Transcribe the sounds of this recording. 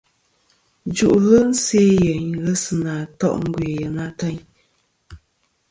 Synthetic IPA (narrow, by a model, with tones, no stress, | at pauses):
d͡ʒu˨ʔɣɨ˦n̩˦se˦jə˨ɲ˨ɣə˦sɨ˨naː˨tɔ̰˦ʔŋ̩˦ɡwe˨jə˨na˦tə˦ɲ